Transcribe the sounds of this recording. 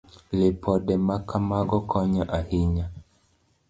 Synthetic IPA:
lepʰɔdɛmakʰamaɡɔkʰɔɲɔʔahiɲa

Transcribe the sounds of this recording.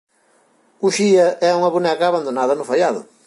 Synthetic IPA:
uʃiɐʔɛuŋɐβunɛkɐːβand̪onaðɐnʊfaʎaðʊ̰

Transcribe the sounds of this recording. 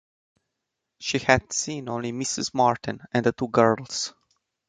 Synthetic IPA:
ʃihæd̥sĩnõnlimɪsɨ̰zmɑɹtɨ̃n̩ɛ̃nd̪ət̪uɡɜ˞lˠz̥

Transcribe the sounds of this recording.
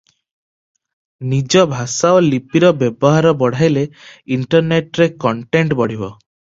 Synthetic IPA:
nid͡ʒɔbʱasaɔlipiɾɔbjebɔɦaɾɔbɔɽ̤ʱajleiɳʈɔɾneʈɾekɔɳʈeɳʈbɔɽ̤ibɔ

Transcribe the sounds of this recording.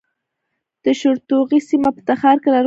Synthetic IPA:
d̪̥əʃʊɾt̪oɣisimapə̥t̪axɑɾkelaɾ

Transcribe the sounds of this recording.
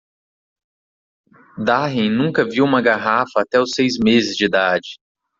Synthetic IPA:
d̪aɦẽj̃nũkɐviwũmɐɡaɦafɐːt̪ɛʊsejzmezɪzd͡ʒid̪ad͡ʒɪ

